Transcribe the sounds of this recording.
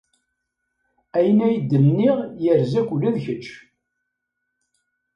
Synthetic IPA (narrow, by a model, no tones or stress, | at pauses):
æjənæjəd̪ːəmniʁjəɾzækʷulːæðçət͡ʃː